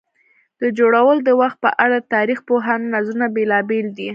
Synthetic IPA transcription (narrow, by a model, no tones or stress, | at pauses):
d̪̥əd͡ʒoɽawəld̪əwaxt̪̚pəʔaɽat̪ɑɾixpoɦɑnnazunabelɑbeld̪i